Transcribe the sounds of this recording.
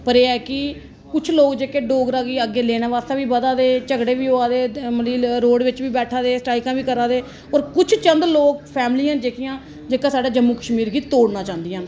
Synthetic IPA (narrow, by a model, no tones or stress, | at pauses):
pəɾeːɛːkɪ | kʊt͡ʃʰloːkd͡ʒeːkeːɖoːɡɾaːɡiːəɡːeːleːnãːʋaːst̪ãːʋiːbəd̪aːd̪eːt͡ʃəɡɽeːʋiːoːaːd̪eːməliːɾoːɖʋɪt͡ʃʋiːbɛːʈʰaːd̪eːsʈaːɪkãːʋiːkəɾãːd̪eː | oːɾkʊt͡ʃʰt͡ʃənd̪loːk̚pʰɛːmliːãːd͡ʒeːkʰɪjãː | d͡ʒeːkaːsaːɖaːd͡ʒəmːuːkəʃmiːɾɡiːt̪oːɽnãːt͡ʃãːnd̪ɪjãːn